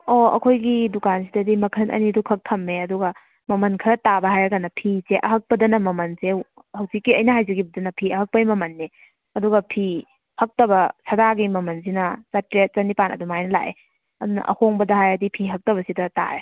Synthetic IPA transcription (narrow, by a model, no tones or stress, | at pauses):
oɐ̰kʰojɡidukansidɐdimɐkʰɐnʔɐ̰nidukʰɐk̚tʰɐmːeɐduɡɐ | mɐmɐnkʰɐɾɐtabɐɦajɐɡanɐpʰiseʔɐɦɐk̚pɐdɐnɐmɐmɐnse | hɐwzikːiɐjnɐɦajzɐɡibɐdɐnɐpʰiɐɦɐk̚pɐjmɐmɐnːe | ɐduɡɐpʰi | hɐk̚tɐbɐsɐdaɡimɐmɐns̬inɐsɐtɾet̚t͡ʃɐnipanʔɐ̰dumajnɐla̰ʔḛ | ɐdunɐ̰ʔɐ̰hoŋbɐdɐɦajɐdipʰiɦɐk̚tɐβɐsidɐta̰e